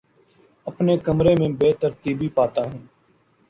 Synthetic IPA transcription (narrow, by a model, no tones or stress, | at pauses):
əpneːkəmɾeːmẽːbeːt̪əɾt̪iːbiːpaːt̪aːɦũː